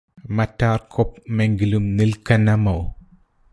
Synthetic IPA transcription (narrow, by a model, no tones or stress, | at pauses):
mɐtːarkʰɔp̚meŋɡilumnilkɐnːɐmɐw